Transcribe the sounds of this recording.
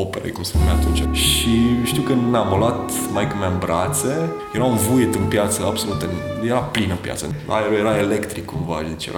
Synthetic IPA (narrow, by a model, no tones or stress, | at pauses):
opeɾḛkumsenumeat̪unt͡ʃʃiʃt̪iwkɨnd̪namolwat̪majkəmanbɾat̪se̞ | jeɾaunvujt̪ɨnpjat̪səabso̞lut̪ɨnjeɾaplinɨnpʲja̰t̪səa̰eɾojeɾaelekt̪ɾikːumva̰d̪et͡ʃjḛɾa